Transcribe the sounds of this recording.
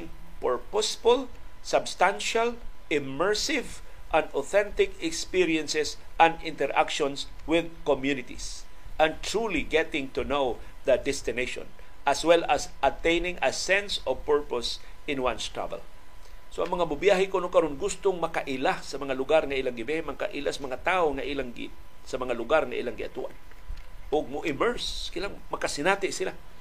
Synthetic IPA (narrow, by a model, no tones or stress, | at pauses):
ŋpɛɹposɪbolsabst̪ãnʃalɪmːɛɹsɪvʔɐ̃nd̪oθɛ̃nt̪ɪkɛkspiɹjɛ̃nsɛsʔɐ̃nd̪ɪ̃nt̪ɛɹʔa̰kʃɔ̃nswɪð̚komjunɪt̪ḭsʔɐ̃nt̪ɹuliɡɛt̪ɪ̃ŋt̪ʊnow | ðɐd̪ɛst̪ɪneʃõ̰n | ʔaswɛlasɐt̪ẽjnɪ̃ŋɐsɛ̃nsɔvpɛɹposɪ̃nwãnst̪ɹa̰vɛ̰l | soʔɐŋmɐŋamʊbjaɦɪkonʊkɐɾonɡʊst̪oŋmɐkaʔɪlasɐmɐŋalʊɡaɾŋaʔilaŋɡɪbɛhɛmɐka̰ʔɪlasɐmɐŋat̪aːʔoŋaʔilaŋɡ̰ | sɐmɐŋalʊɡaɾŋaʔḭlaŋɡɪʔa̰t̪ṵʔa̰n | ʔʊɡ̚moʔɪmɛɹskɪlaŋmɐkasɪnat̪ɪʔsɪla